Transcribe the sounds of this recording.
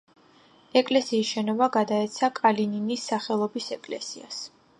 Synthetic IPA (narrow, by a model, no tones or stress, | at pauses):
ɛkʼlɛsiːsʃɛnɔvaɡad̪aɛt̪sʰakʼalininisːaχɛlˠɔbisɛkʼlɛ̰sia̰s